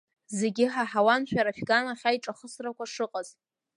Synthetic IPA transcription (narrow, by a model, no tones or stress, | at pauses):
ze̞ɡʲɪħaħawanʃᶣaɾaʃɡanaχʲajʈ͡ʂʼaχəsrakʷaʂɨqʼaz